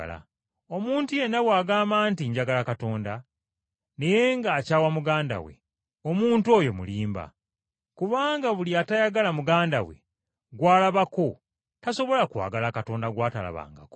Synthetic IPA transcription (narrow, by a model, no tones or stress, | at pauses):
la̰ | o̞muːntuje̞nːaβwaːɡaːmaːntiɲɟaɡalakato̞ːnda | ne̞je̞ŋɡaːcaːwamuɡaːnda̰wḛ | omuːntuo̞jo̞mṵliːmba̰ | kuβaːŋɡaβuliatajaɡalamuɡaːnda̰we̞̰ | ɡwaːlaβako̞ | taso̞βo̞lakwa̰ːɡalakato̞ːndaɡwaːtala̰βa̰ːŋɡa̰ko